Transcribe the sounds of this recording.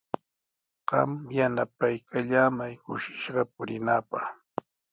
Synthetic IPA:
ɢ̥ɑ̰mjanapajkaʎaːmajkʊʃɪ̥ʃɢɑpʊɾɪnaːpɑχ

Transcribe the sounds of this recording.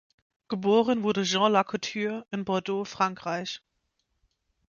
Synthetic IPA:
ɡ̥əboːʁənvʊɐdəʒɑ̃lakʰotʰyːɪnbɔɐdoːfʁ̥aŋkʁ̥aɪç

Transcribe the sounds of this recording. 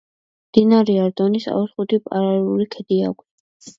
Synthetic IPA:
md̪̥inaɾiaɾd̪ɔnisa̰usχud̪ipʼa̰ɾalɛlulikʰɛd̪ia̰kʰʷt̪

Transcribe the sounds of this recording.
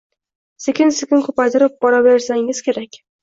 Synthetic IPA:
sekʲɪnsekʲɪnkʰɵpajt̪ʰɪɾɪp̚bɒɾabeɾsaŋɪz̥kʲʰe̞ɾakʲ

